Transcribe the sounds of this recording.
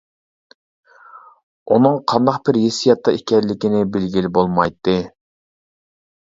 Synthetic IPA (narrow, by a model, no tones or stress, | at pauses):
unɨŋqʰɑnd̪ɑqb̥ɪɾjesijɑt̪ʰːɑikʲɛlːɪkʲinɪbɪlɡʲilbolˠmɑjt̪ːɨ